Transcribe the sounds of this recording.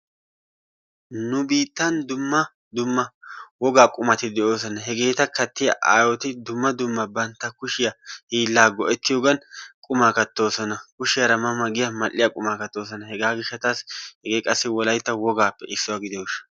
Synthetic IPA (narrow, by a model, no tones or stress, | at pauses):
nʊbiːt̪ːɐnd̪ʊmːɐ | d̪ʊmːɐwɔɡaːkʼʊmɐt̪ɪd̪ɛʔo̞ːs̬ɔnɐɦɛɡe̞ːt̪ɐkɐt̪ːɪjɐʔaːjɔt̪ɪd̪ʊmːɐd̪ʊmːɐbɐnt̪ːɐkʊʃɪjɐhiːlːaːɡɔʔɛt̪ːɪjoːɡɐnkʼʊmaːkɐt̪ːo̞ːsɔnɐkʊʃɪjɐɾɐmɐmɐɡɪjɐmɐlʔːɪjakʼʊmaːkɐt̪ːo̞ːs̬ɔnɐhɛɡaːɡɪʃːɐt̪aːshɛɡe̞ːkʼɐsːɪwɔlɐjt̪ːɐwɔɡaːpːɛʔɪsːʊwaːɡɪd̪ɛoːʃɐ̥